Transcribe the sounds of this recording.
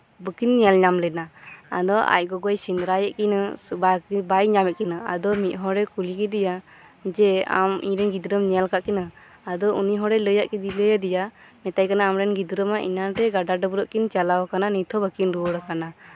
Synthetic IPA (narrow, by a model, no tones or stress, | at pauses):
bəkinɲɛlɲamlɛnaa̰d̪ɔa̰c̚ˀɡɔɡɔjsind̪ɾajɛʔkinabakibajɲamɛt̪̚kinaa̰d̪ɔmit̪̚ɦɔɾɛkulikɛd̪ija | d͡ʒɛa̰mḭɲɾɛnɡid̪ɾəmɲɛlkaʔkina | ad̪ɔuniɦɔɾɛləjaʔkid̪iləjad̪ɛjamɛt̪ajkanaːmɾɛnɡid̪ɾəmaʔḭnaɾɛɡaɖaɖɔbuɾɔʔkint͡ʃalawɔkananit̪ʰɔbəkinɾuɔɽakana